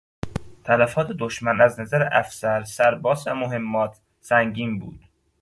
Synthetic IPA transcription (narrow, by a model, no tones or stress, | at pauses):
t̪ʰælæfɒːt̪ʰed̪oʃmænæznæzæɾeʔæfsæɾsæɾbɒːsæ̰moɦe̞mːɒːt̪ʰ | sæŋɟiːmbṵːd̪̥